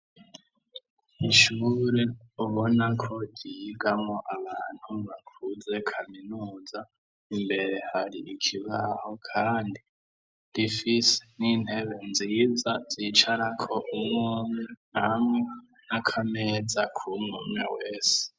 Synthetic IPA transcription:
iʃuɾeuβo̞nakʰo̞ɟiɡamo̞ʔaβaːn̥huβakʰuze̞kʰaminuːza | imbe̞ɾe̞haɾiʔikʰiβaho̞kʰaːndi | d̥ifisenin̥he̞βe̞nzizaziːt͡ʃaɾakʰo̞ʔumŋununamŋe | nakʰameːzakʰumŋumŋeweːse̥

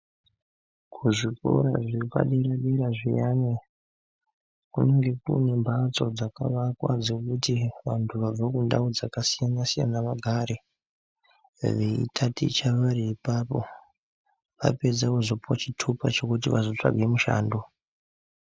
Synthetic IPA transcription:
kʰuʐiko̰ɾaʐika̰ɗeɾaɗeɾaʐijane | kuneŋɡe̞kṵne̞mbʱat͡so̞d͡zaka̰ʋakwa̰d͡zokutiʋantʰuʋab͡vakunda̰od͡zakasijanasija̰naʋaɡʱaɾe | ʋeḭtʰatḭt͡ʃaʋaɾiːpaːpo̞̰ | ʋa̰pe̞d͡zakuzo̞puwat͡ʃitʰupat͡ʃo̞kut̬iʋazo̞t͡ʂa̰ɡʱe̞muʃa̰ːndo

